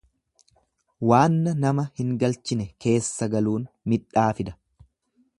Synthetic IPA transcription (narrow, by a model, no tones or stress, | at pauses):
waːnːɐnɐmɐhɪŋɡɐlt͡ʃɪnɛke̞ːsːɐɡɐluːn | mɪᶑaːfɪd̪ɐ̥